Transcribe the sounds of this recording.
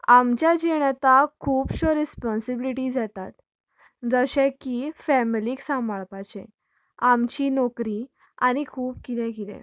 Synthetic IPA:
amt͡ɕjad͡ʑiɳat̪akʰuːpɕɔɾispɔnsibiliʈid͡zat̪at̪ | d͡zəɕɛ̃kifɛmiliːksãmaɭpat͡ɕḛ̃ | amt͡ɕinɔkɾi | a̰nikʰuːpkit̪ɛ̃kid̪ɛ̰̃

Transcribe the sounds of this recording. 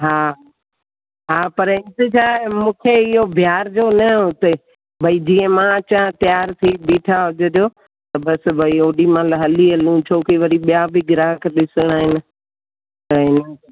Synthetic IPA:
ɦaː | ɦaːpɐɾɪ̃nt̪et͡ɕʰaːmũːkʰeɪɦobʱjaːɾd͡ʑoːnɐɦʊt̪e | bʱɐid͡ʑiːə̃mãt͡ɕãːt̪jaːɾt̪ʰibiːʈʰaɦʊd͡ʒəd̪jo | t̪ɐbɐsbʱɐioːɗimãːlɐɦɐliɐlũt͡ɕʰoːkiʋɐɾiɓijabɪɡɪɾãːɦkʰeɗɪsəɽ̃aːɦɪnɪ̆ | t̪ɐɦɪnə

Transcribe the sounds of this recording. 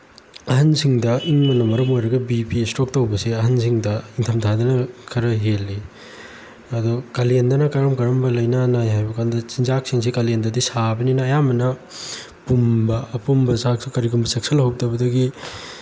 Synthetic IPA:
ɐɦɐnsiŋdɐʔiŋmɐnomɐɾɐmojɾɐɡɐbipistok̚towbɐseɐɦɐnsiŋdɐiŋtʰɐmtʰadɐnɐkʰɐɾɐɦelːi | ɐdɔkɐlendɐnɐkɐɾɐmkɐɾɐmbɐlɐjnɐnajɦajbɐkʰandɐt͡ʃinzak̚siŋs̬ikɐlendɐdisabɐninɐːjamɐnɐ | pumbɐɐpumbɐsaksukɐɾiɡumbɐsek̚sɐlhɐw̚tɐbɐdɐɡi

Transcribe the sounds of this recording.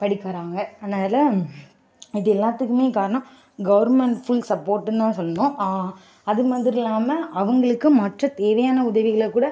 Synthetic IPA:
pɐɽɪkːɐɾaːŋɡɐnːaːlɐ | ɪðɯɛlːaːt̪ːɯkːɯmeːkaːɾɐɳɐ̃ | ɡɐʋɐɾmɛɳʈfʊlsɐpːoːɾʈːɯnt̪ãːsɔlːɐnõː | ɐðɯmɐnd̪ɪɾɪlːaːmɐɐʋɐŋɡɐɭɯkːɯmɐʈrɐ̃t̪eːʋɐjaːnɐʊðɐʋɪɣɐɭkːuːɽɐ

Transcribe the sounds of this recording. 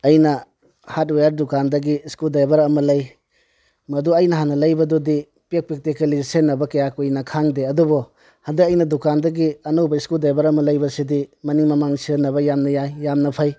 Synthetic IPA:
ɐjnɐ | hat̚wejaɾdukandɐɡiskuldajbɐɾɐmɐlɐj | mɐduɐjnɐɦanɐlɐjbɐdodi | pek̚pek̚tekɐlisenːɐbɐkɐjakojnɐkʰaŋdeɐdubɔ | hɐndɐɐjnɐdukandɐɡiɐnowbɐiskuldajbɐɾɐmɐlɐjbɐsidimɐniŋmɐmaŋsnːɐβɐjamnɐjajːamnɐpʰaj

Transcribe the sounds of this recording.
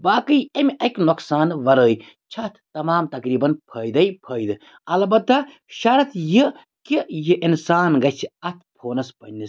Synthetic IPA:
baːkɨjɐmʲɐkʲnoksaːnʋɐɾəːj | t͡ʃʰɐt̪ʰt̪ɐmaːmt̪ɐkɾiːbɐnpʰɐːjd̪ɐjpʰɐːjd̪ɨ | ɐlɐbɐt̪ːɐ | ʃɐɾɐt̪ʰji | kijiʔinsaːnɡɐt͡ʃʰiɐt̪ʰpʰoːnɐspɐnnis

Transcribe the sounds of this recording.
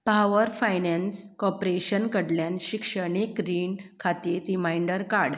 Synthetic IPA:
paʋəɾfajnẽnskɔpɾeɕənkəɽljanɕikʂəɳ̃ekɾiːnkʰat̪iːɾːimajɳɖəɾkaɾɽ

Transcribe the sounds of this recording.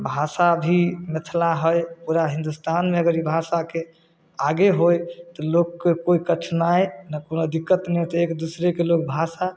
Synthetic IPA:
bʱasabʱimet̪ʰlaɦəjpuɾaɦĩnd̪ust̪anmeəɡəɾibʱasake | aɡeɦojt̪ɔlokːekoikət͡ʃʰnajnakonod̪ikːət̪nɛt̪ɔekd̪usɾekelok̚bʱasa

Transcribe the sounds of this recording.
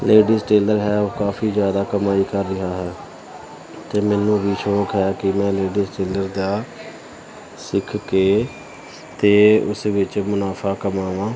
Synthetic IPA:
leːɖiːsʈeːləɾɦɛːoːkaːfʰiːzjaːd̪aːkəmaːiːkəɾːɪɦaːɦɛː | t̪eːmɛːnũːʋiːʃoːkɦɛːkɪmɛ̃ːleːɖiːsʈeːləɾd̪aː | sɪkʰkeː | t̪eːʊsʋɪt͡ʃmʊnaːpʰaːkəmaːʋãː

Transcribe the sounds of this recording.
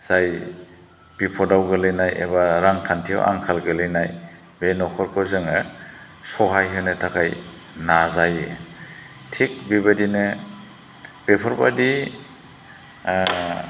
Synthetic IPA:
z̥aj | b̥ipʰɔdawɡɯlɯjnajḛbaɾaŋtʰantʰia̰wʔa̰ŋkʰalɡɯlɯjnaj | benɔkʰɔɾkʰɔzɯŋɯ | sɔɦajɦɯnɯtʰakʰaj | nazaj | tʰik̚bibadinɯ | b̥epʰɔɾba̰di

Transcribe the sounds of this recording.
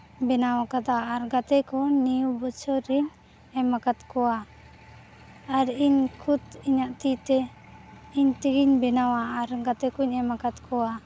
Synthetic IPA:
bɛnawakad̪aːɾɡat̪ɛkɔnijubɔt͡ʃʰɔɾiɲ | ɛmakat̪kɔwa | ɾiɲkʰut̪iɲaʔt̪it̪ɛ | iɲt̪iɡiɲbɛnawaːɾɡat̪ɛkuɲɛmakat̪kʰɔwa

